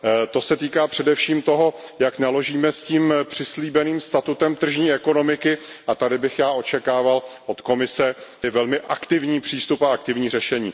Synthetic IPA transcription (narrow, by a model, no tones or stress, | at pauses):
t̪o̞sɛt̪iːkaːpr̝̥ɛdɛfʃiːmt̪o̞ɦo̞ | jaknalo̞ʒiːmɛsciːmpr̝̥ɪsliːbɛniːmst̪at̪ut̪ɛmt̪r̩ʒɲiːɛko̞no̞mɪkɪʔat̪adɪbɪxjaːʔo̞t͡ʃɛkaːvalʔo̞t̪ko̞mɪsɛɪvɛlmɪʔakt̪ɪvɲiːpr̝̥iːst̪upaak̚t̪ɪvɲiːrɛʃɛɲiː